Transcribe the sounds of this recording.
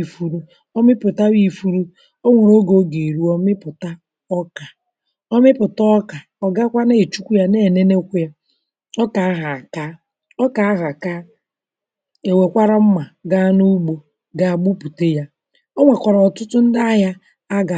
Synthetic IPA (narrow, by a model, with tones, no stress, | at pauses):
fu˨ɾu˦ | ɔ˦mɪ˦pʊ˨ta˦wi˦fu˦ɾu˦ | o˦ŋʷe˨ɾo˦ɡo˨˦ɡe˨ɾu˨ɔ˦mɪ˦pʊ˨ta˦ | ɔ˦ka˨ | ɔ˦mɪ˦pʊ˨tɔ˦ɔ˦ka˨ | ɔ˨ɡa˦kʷa˦ne˦e˨t͡ʃu˦kʷu˦ja˦ne˦e˨ne˦ne˦kʷu˦ja˦ | ɔ˦ka˨a˦ɦa˨a˨ka˦ | ɔ˦ka˨a˦ɦa˨ka˦ | e˨we˨kʷa˦ɾa˦m̩˦ma˨ɡa˦nu˦ɡ͡bo˨ | ɡa˨a˨ɡ͡bu˦pu˨te˦ja˦ | ɔ˦ŋʷa˨kʷa˨ɾɔ˨ɔ˨tʊ˦tʊ˦n̩˦da˦a˦ja˦ | a˦ɡa˨